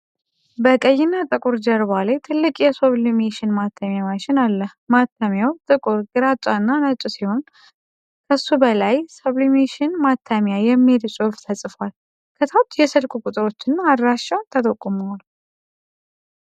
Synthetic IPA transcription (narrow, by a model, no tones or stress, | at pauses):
bəkʼəjːɪnːat̪ʼɨkʼuɾd͡ʒəɾbalajt̪ʰɨlːɨkʼjɛsoβlimeʃɪnmat̪ʰːamjamat͡ʃɪnalːəhmat̪ʰːamjawt̪ʼɨkʼʊɾɡɨɾat͡ʃʼanːanət͡ʃʼusiho̞n | kʰəsːubəlajsoβlimeʃɪnmat̪ʰːamjajɛmːilsʼoft̪ʰəsʼɨfwal | kʰət̪ʰawt̪jɛsɨlkʷʼukʼut̪ʼɨɾo̞t͡ʃːɪnːaːd̪ɾaʃːat̪ʰːət̪ʼəkʼːomul